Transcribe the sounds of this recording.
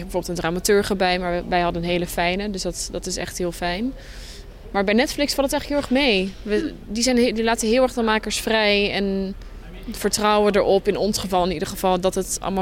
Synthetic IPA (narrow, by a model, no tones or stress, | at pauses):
bəvoːɹbɪlˠtəndraːmatøːɹχəbɛjmaːɹʋɛjɦɑdənɦejləfɛjnədɵsdɑtdɑtɪsɛ̰χtɦɪːlˠfɛjn | maːɹbɛjnɛtflɪksfɑlˠətɛjχəkɦɪlˠɛχmejʋə | dizɛjndilaːtəɦɪːlˠɛɹχdɑnmaːkəɹsfrɛjɛn | v̥əɹtrɑwədəɹʔɔpɪnɔnsχəvɑlˠɪnidəɹχəv̥ɑlˠdɑtətɑ̰ləma